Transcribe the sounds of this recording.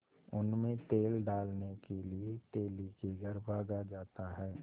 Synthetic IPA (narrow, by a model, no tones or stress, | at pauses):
ʊnmẽt̪eːlɖaːlnekeliet̪eːlikeɡʱəɾbʱaːɡad͡ʒaːt̪aɦɛː